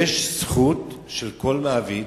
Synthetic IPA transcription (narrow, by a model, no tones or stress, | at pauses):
eʃsχutʃelko̞lmaavi